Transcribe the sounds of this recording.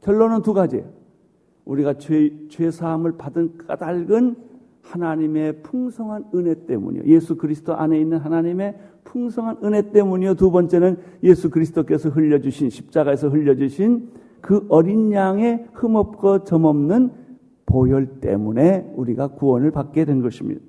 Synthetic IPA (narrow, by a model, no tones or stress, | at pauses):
kjʌɭːonɯntuɡad͡ʑḭ | uɾiɡat͡ɕwe̞sʰamɯɭpadɯnka̰daɭɡɯn | hanaɲime̞pʰuŋsʰʌŋɦanɯne̞t͈e̞̰mṵɲḭjo̰je̞sʰukɯɾisʰɯ̥doʔane̞inːɯnɦanaɲime̞pʰuŋsʰʌŋɦanɯne̞t͈e̞muɲijotubʌnt͡ɕ͈e̞nɯnjesʰukɯɾisʰɯ̥dok̬͈e̞sʰʌɦɯʎːʌd͡ʑuɕʰinɕʰi̥p̚t͡ɕ͈aɡae̞sʰʌɦɯʎːʌd͡ʑuɕʰin | kɯʔʌɾinɲaŋe̞hɯmʌp̚k͈ʌt͡ɕʌmʌmnɯn | pojʌɭt͈e̞̰mune̞uɾiɡakuwʌnɯɭpak̚k͈edwe̞nɡʌɕʰimɲḭda